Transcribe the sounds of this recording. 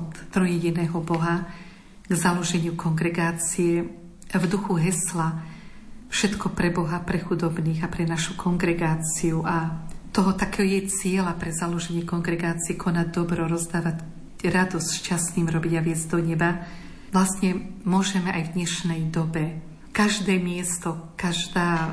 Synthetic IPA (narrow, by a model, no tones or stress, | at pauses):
ɔt̪t̪ɾɔjɛɟinɛːɦɔbɔɦa | ɡzalɔʒɛɲɪukɔŋɡɾɛɡaːt͡sijɛ | vd̪uxuɦɛsla | fʃɛt̪kɔpɾɛbɔɦapɾɛxud̪ɔbniːɣapɾɛnaʃukʰɔŋɡɾɛɡaːt͡siuʔat̪ɔɦɔt̪akɛɔjɛt͡sɪɛlapɾɛzalɔʒɛɲɪɛkɔŋɡɾɛɡaːt͡siɛkʰɔnaɟ̚d̪ɔbɾɔɾɔzd̪aːʋac | ɾad̪ɔsʃcasniːmɾɔbiɟaʋɪɛzɟd̪ɔɲɛba | ʋlasɲɛmʊɔʒɛmɛʔajvd̪ɲɛʃnɛjd̪ɔbɛ | kaʒd̪ɛːmɪɛst̪ɔkaʒd̪aː